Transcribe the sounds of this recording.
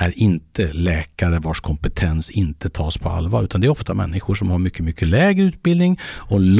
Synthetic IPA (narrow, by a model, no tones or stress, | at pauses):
æɾɪnt̪ʰəlɛːkaɾəvaʂkʰɔmpət̪ʰɛnsɪnt̪ʰət̪ʰɑːspʰɔa̰lvɑːɾʉ̟ːt̪and̪ɛæɾɔft̪amɛ̰nːɪɧʊʂɔmhaɾmʏkʰːəmʏkʰːəlɛːɡɾəʉ̟ːt̪̚bɪld̪nɪŋɔɛnl